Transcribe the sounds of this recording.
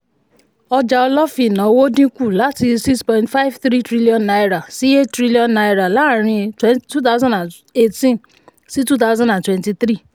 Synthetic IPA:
ɔ˧d͡ʒa˧ɔ˧lɔ˦fi˦˨nã˨o˧wo˦dĩ˦ku˦˨la˨˦ti˧si˦kspɔ̃˧ĩntfa˦jvθɾi˦tɾi˦li˦ɔ̃˨nːa˧jɾa˨si˨˦e˦ttɾi˦li˦ɔ̃˨nna˧jɾa˨la˨˦˨ɾ̃ĩ˧twɛ˦ntu˦t̪a˦ʊzã˦ndã˨ | e˧tĩ˦n | si˦tu˦t̪a˦zã˦ndã˨ntwɛ̃˦nti˧θɾi˦˨

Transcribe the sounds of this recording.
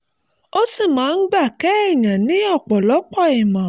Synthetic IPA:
o˦si˦˨mãː˨˦n̩˦ɡ͡ba˦˨kɛ˦i˦˨ɲã˨nĩ˨˦ɔ˦˨k͡pɔ˨lɔ˨˦k͡pɔ˦˨ɛ˨mã˨

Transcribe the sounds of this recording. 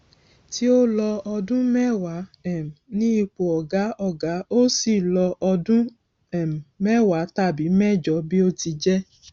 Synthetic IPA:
ti˦o˦lɔ˧ɔ˧dũ˦mɛ˦wa˨˦ɛ˨m˨nĩ˦i˦˧˨k͡po˨ɔ˨ɡa˨˦ɔ˦˨ɡa˨˦o˦si˨lɔ˧ʔɔ˧dũ˦ | ɛ˨m˨mɛ˦wa˨˦ta˦˨bi˨˦mɛ˦˨d͡ʒɔ˨˦bi˦o˦ti˧d͡ʒɛ˦

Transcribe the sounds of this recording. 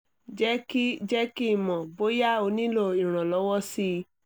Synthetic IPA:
d͡ʒɛ˦ki˦d͡ʒɛ˦ki˦˨mɔ̃˨bo˦ja˦o˧nĩ˦lo˦˨i˨ɾ̃ã˨lɔ˨˦wɔ˦si˧

